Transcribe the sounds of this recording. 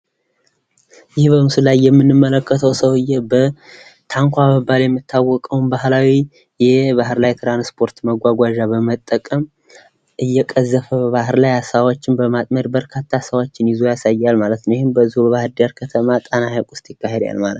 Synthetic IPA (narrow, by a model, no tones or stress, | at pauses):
jɪhbəmɨsɨlajːɛmːɨnːɨmːələkːət̪ʰəwsəwɨjːɛbət̪ʰaŋkʷabəbːaljɛmːɨt̪ʰːawːɔkʼəwnbaɦlawi | jɛbaɦɨɾlajt̪ʰɾanspʰo̞ɾt̪məɡʷaɡʷaʒabəmət̪ʼːəkʼəm | ʔɨjːɛkʼəzːəfəβaɦɨɾlajasawot͡ʃːɪnbəmat̪ʼməɾbəɾkʰat̪ʰːasəwot͡ʃːɪnjɪzojasajːalmalət̪nwjihɪnbəzːihubəβahɾd̪aɾkʰət̪ʰəmat̪ʼanahakʼʊst̪ʼjɪkːaɦed̪a̰lmalət̪